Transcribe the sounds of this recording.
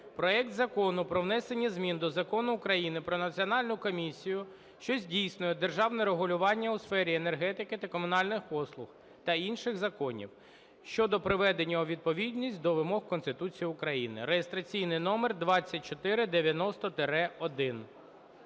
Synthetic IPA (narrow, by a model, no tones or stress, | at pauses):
pɾɔɛk̚t̪zɐkɔnʊpɾɔwnɛsenʲːizʲmʲind̪ɔzɐkɔnʊːkɾɐjinɪpɾɔnɐt͡sʲiɔnɑlʲnʊkɔmʲisʲːijʊ | ʃt͡ʃɔzʲdʲijsnʊjɛd̪erʒɑwnɛɾeɦʊlʲʊʋɑnʲːɐʊsfɛɾʲienerɦɛt̪ɪkɪt̪ɐkɔmʊnɑlʲnɪxpɔslˠʊx | t̪ɐinʃɪɣzɐkɔnʲḭw | ʃt͡ʃɔd̪ɔpɾɪʋɛd̪enʲːɐɔʋʲid̪̚pɔʋʲid̪ʲnʲisʲtʲd̪ɔʋɪmɔhkɔnst̪ɪt̪ut͡sʲijiʊkɾɐjinɪ̰ɾejest̪ɾɐt͡sʲijnɪjnɔmerd̪ʋɑt͡sʲːɐt̚ʲt͡ʃɔt̪ɪɾɪd̪eʋʲjɐnɔst̪ɔt̪eɾɛɔd̪ɪn